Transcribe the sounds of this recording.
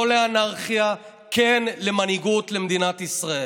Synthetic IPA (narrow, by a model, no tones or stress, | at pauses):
oleanaʁχija | kenlemaniɡutlemd̪inat̪isʁae